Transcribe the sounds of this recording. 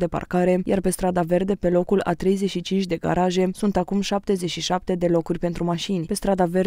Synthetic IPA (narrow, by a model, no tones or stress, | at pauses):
d̪e̞pa̰rkaɾe̞jarpe̞st̪ɾad̪ave̞rd̪e̞pe̞lo̞kula̰t̪ɾe̞jze̞t͡ʃʃit͡ʃint͡ʃʲd̪e̞ɡa̰ɾaʒe̞sunt̪akumʃap̚t̪e̞ze̞t͡ʃʃiʃap̚t̪e̞d̪e̞lo̞kurʲpe̞nt̪ɾumaʃinʲpe̞st̪ɾad̪ave̞r